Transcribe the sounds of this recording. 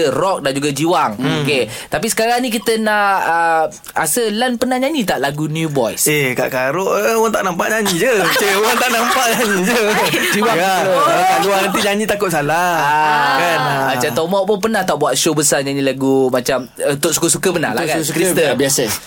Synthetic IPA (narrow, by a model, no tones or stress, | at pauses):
ərɔk̚dand͡ʒuɡad͡ʒiwaŋoket̪apisə̥kaɾaŋnĩkit̪ənaʔə | a̰səlanpənahɲaɲĩt̪aʔlaɡunjubɔjseka̰ʔkaɾoʔəwaŋt̪aʔnampaʔɲaɲid͡ʒət͡ʃawaŋt̪aʔnampaʔɲaɲid͡ʒəd͡ʒiwakaoəkaluanant̪̬iɲaɲĩt̪akʊt̪̚salaakanat͡ʃat̪ɔmɔʔpʊnpənaht̪aʔbuaʔ̪ʃobəsaɲaɲilaɡumat͡ʃamt̪oʔsu̥kəsukəbəna̰lakasukɾist̪əbiasə